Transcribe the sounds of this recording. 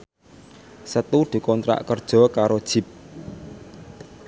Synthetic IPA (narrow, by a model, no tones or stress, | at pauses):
sət̪uɖ̪̥ṳkɔnt̪ɾa̰ʔkərd̥ʒ̥ɔ̤kaɾod̥ʒ̥i̤p̚